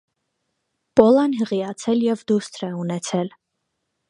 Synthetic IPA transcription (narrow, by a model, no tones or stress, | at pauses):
pɔlɑnɦəʁiɑt͡sʰɛljɛvd̪ust̪ʰɾɛunɛt͡sʰɛl